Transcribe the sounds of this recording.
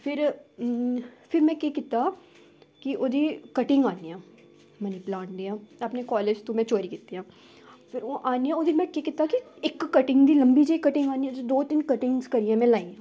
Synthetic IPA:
fʰɪɾ | fɪɾmɛ̃kekɪt̪a | kiʔoːd̪ʱikɐʈɪ̃ŋɡaːnijãː | mɛ̃ːneplãːnʈd̪iãɐpnekɔːleːd͡ʒt̪omɛ̃t͡ʃoːɾikɪt̪ːiɦãː | fɪɾoʔaːnijãod̪ʱimɛ̃kekɪt̪akiekːɐʈɪŋɡd̪ilɐ̃mbid͡ʒekɐʈɪ̃ŋɡaːnid̪id̪oːt̪inkɐʈɪ̃ŋɡskɐɾiãmɛ̃laːĩãː

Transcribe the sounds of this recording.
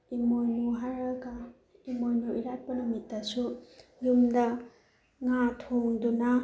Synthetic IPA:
imojnuɦaɾɐɡɐ | imojnuiɾat̚pɐnumitːɐsujumdɐ | ŋatʰoŋdunɐ

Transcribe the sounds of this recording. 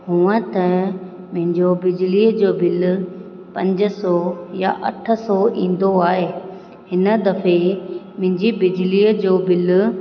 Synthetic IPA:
ɦũːə̃t̪ɐ | mʊ̃ɦɪ̃ɲd͡ʑobɪd͡ʑliːəd͡ʑoːbɪl | pɐ̃ɲd͡ʑə̆sɔːja̰ʔɐ̰ʈʰə̆sɔḭ̃ːn̆d̪oaːɦeː | hɪnə̆d̪ɐfemʊ̃ɦɪ̃ɲd͡ʑibɪd͡ʑliəd͡ʑoːbɪl

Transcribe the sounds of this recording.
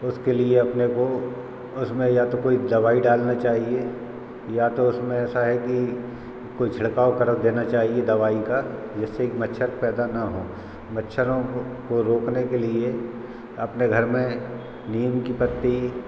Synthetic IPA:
ʊskelieɐpneko | ʊsmẽjat̪okoːid̪ɐʋaːiɖaːlnat͡ʃaːɦie | jat̪oʊsmẽɛːsaɦɛki | koːit͡ʃʰɐɽkaːokɐɾəkd̪eːnat͡ʃaːɦied̪ɐʋaːikad͡ʒɛsːekmɐtːʃʰəɾpɛːd̪anaɦoː | mɐtːʃʰəɾõkoɾoːknekelie | ɐpneɡʱɐɾmẽ | niːəmkipɐt̪ːi

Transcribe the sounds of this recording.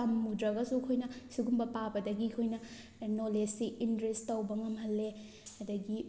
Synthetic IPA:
ɐmːudɾɐɡɐsukʰojnɐsuɡumbɐpabɐdɐɡikʰojnɐ | nolesiʔintɾestːɐwbɐŋɐmhɐlːe | hɐdɐɡi

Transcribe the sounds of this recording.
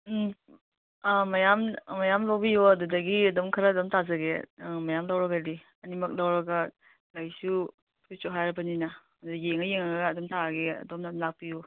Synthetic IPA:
majammajamlawbijuɐdudɐɡiɐdɔmkʰɐɾadɔmtazɐɡemajamlawɾɐɡadi | ɐnimɐk̚lawɾɐɡɐ | lajsu | tʰusoɦajɾɐbɐnina | ɐdudjeŋɐjeŋɐɾɐɡaːdɔmtʰaɾaɡeɐ̰dɔmmlak̚piju

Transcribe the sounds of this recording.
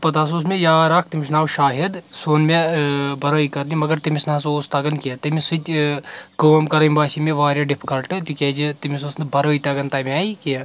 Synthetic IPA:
pɐt̪aːs̬oːs̬mejaːɾaːk̚ʰt̪imʲiʃnaːwʃaːɦid̪soːnmebɐɾoːikɐɾnimɐɡɐɾt̪imisnɐɐsoːst̪ɐɡɐnkʲet̪ɐmisɨt̪ʲ | kɐmkɐɾɐmʲbaːsimeʋaːɾʲjɐɖipʰkɐlʈɨt̪ikʲeːd͡ʒit̪imisoːsnɨbɐɾoːit̪ɐɡɐnt̪ɐmiaːiki

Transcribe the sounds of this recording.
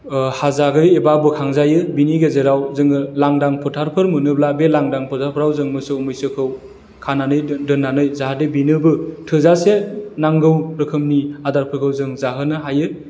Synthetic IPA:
hazaɡɯjebabɯkʰaŋzajɯbiniɡezeɾawzɯŋɯlaŋdaŋpʰɔtʰaɾpʰɯɾmɯnɯblabelaŋdaŋpʰɔtʰaɾpʰɯɾawzɯŋmɯsɯmɯjsɯkʰɯw | kʰananɯjdɯnːanɯjzaɦadebinɯbɯtʰɯzasenaŋɡɯwɾɯkʰɯmniadaɾpʰɯkʰɯwzɯŋzaɦɯnɯɦajɯ

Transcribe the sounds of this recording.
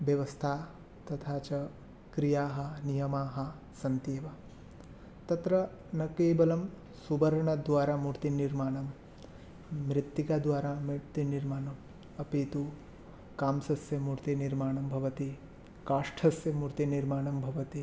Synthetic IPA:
ʋjɐʋɐst̪ʰaː | t̪ɐt̪ʰaːt͡ʃɐ | kɾijaːɦɐ̆nijɐmaːɦɐ̆ | sɐnt̪eːʋa | t̪ɐt̪ɾɐ | nɐkeːbɐlɐm | subɐɾɐɳɐd̪ʋaːɾaːmuɾt̪iniɾmaːɳɐm | ɾit̪ːikaːd̪ʋaːɾamut̪ːiniɾmaːɳɐm | ɐpiːt̪u | kaːmsɐsjɐmuɾt̪iniɾmaːɳɐmbʱɐʋɐt̪i | kaːʂʈʰɐsjɐmuɾt̪iniɾmaːɳɐmbʱɐʋɐt̪i

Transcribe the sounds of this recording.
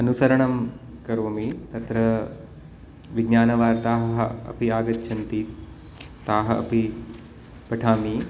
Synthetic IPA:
ɐnusɐɾɐɳɐm | kɐɾoːmit̪ɐt̪ɾɐ | ʋiɡnaːnɐʋaːɾt̪aːɦɐɦɐɐ̰piaːɡɐt̪ːʃʰɐnt̪i | t̪aːɦɐʔɐ̰pi | pɐʈʰaːmi

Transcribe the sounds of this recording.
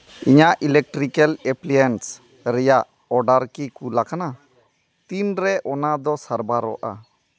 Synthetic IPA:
iɲaʔilɛk̚ʈɾikɛlɛplijɛns | ɾɛjaʔ | ɔɾɖaɾkikulakana | t̪inɾɛʔɔnad̪ɔsaɾbaɾɔʔa̰

